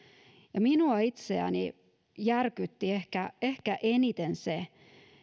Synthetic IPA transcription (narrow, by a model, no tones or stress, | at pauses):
jɑminuɑit̪seæ̰nḭ | jærkyt̪ːiehkæehkæʔenit̪ense